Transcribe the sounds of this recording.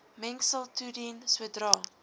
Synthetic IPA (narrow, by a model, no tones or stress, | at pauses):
mɛŋksəlˠtʰudinswədrɑː